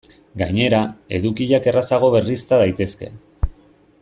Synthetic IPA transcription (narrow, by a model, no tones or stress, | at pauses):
ɡa̰ɲe̞ɾae̞̰ðukiʎake̞rasaɣ̞o̞βe̞rist̪að̞ajt̪e̞ske̞̰